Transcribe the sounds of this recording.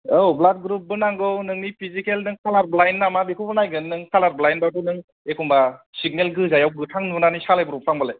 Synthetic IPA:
ɔwblat̚ɡɾup̚bɯnaŋɡɯwnɯŋnipʰizikelnɯŋkʰalaɾblajnːamabikʰubɯnajɡɯnːɯŋkʰalaɾblajnbatʰunɯŋ | ekʰumbasiɡ̚nelɡɯzajawɡɯtʰaŋnunanisalajbɯɾupʰaŋbalej

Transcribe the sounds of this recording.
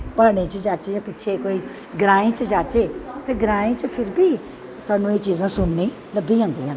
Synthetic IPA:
pəːɽ̃ẽːt͡ʃəd͡ʒaːt͡ʃeːd͡ʒãːpɪtːʃʰeːkoːiː | ɡɾãːẽːt͡ʃəd͡ʒaːt͡ʃeːt̪eːɡɾaːẽːt͡ʃəpʰɪɾbiː | saːnːũːeːt͡ʃiːzãːsʊnːĩː | ləbːiːãːnd̪iːãː

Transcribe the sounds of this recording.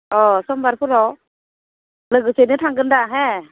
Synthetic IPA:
ʔɔsɔmbaɾpʰuɾɔ | lɯɡɯsenɯt̪ʰaŋɡɯndaɦɛ

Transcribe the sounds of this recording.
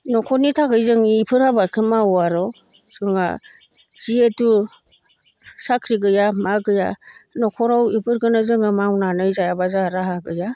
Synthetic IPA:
nɔkʰɔnitʰaɡɯjzɯŋiːpʰɯɾhabaɾkʰimawaɾɔ | sɯŋa̰ | z̥ietu | sakʰɾiɡɯjamaɡɯja̰nɔkʰɔɾawipʰɯɾɡɯnazɯŋɯmawnanɯjzajabazaɾaɦaɡɯja

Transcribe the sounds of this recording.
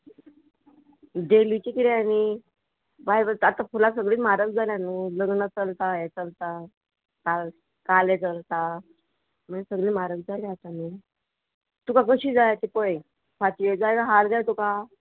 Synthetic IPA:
ɖelit͡ɕikiɾeani | bajbəat̪ãfulas̬əɡɭiːmaɾəkd͡zʱaljanuləɡnət͡səlt̪aet͡səlt̪a | kal | kalet͡səlt̪a | mənsəɡɭĩːmaɾəkd͡zʱaleat̪ami | t̪ukakəɕiːd͡zajat̪ipəj | pʰat̪ied͡zajkaɦald͡zajt̪uka

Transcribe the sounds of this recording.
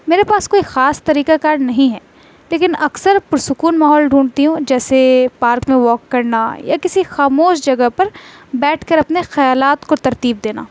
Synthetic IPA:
meːɾepaːskoːixaːst̪ɐɾiːkakaːɾnɐɦĩɦɛː | leːkɪnɐksəɾpʊɾsʊkuːnmaːɦɔːlɖʱuːɳɖt̪iɦũd͡ʒɛːsepaːɾkmẽʋɔːkːɐɾna̰ja̰kɪsixaːmoːʃd͡ʒɐɡəpɐɾbɛːʈʰkɐɾɐpnexɐjaːlaːt̪kot̪ɐɾt̪iːb̚d̪eːna̰ː

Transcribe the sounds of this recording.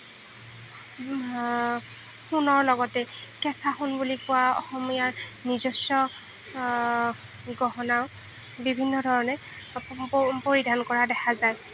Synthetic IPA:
xunɔɹlɔɡɔtɛkɛsʰaxunbulikʊwaɔ̰xɔmijaɹnizɔsjɔ | ɡɔɦɔnaʊ | bibʱinːɔdʱɔɹɔnɛ | poɹidʱankɔɹadɛxʰazaj

